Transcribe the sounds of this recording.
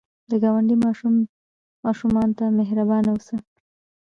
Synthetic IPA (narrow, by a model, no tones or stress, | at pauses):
d̪əɡɑwaɳɖimɑʃumː | ɑʃumɑnt̪ameɦɾabɑnawsə